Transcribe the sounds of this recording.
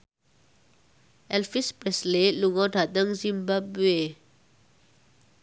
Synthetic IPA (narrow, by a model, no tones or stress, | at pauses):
ɛlfispɹɛsleluŋɔdʱat̪əŋzimbabwe